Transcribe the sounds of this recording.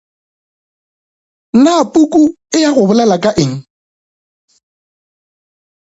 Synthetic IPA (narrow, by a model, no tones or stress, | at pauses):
napʼukʼu | ɪjaɣʊbʊlalakʼaʔɪŋ̩